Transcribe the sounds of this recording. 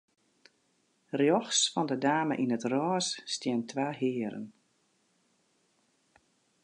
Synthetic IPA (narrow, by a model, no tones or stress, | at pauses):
rjɔxsfɔndədaːmə̰ʔinətrɔːsːtjɛntʰʋaːɦɪəəɾə̰n